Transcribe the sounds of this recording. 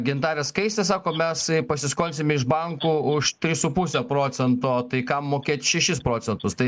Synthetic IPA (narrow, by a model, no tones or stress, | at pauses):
ɡʲɪnt̪ɑːɾʲeskɐɪsʲt̪ʲɛsɑːkoːmʲɛspɐsʲɪskoːnʲsʲɪmʲɪʒbɐŋkuːʊʃt̪ʲɾʲɪsupʊsʲɛpɾoːt͡s̪ʲɛnt̪oːt̪ɐɪkɐmːoːkʲeːt̪ʲʃʲɛʃʲɪspɾoːsʲɛnt̪ʊst̪ɐɪ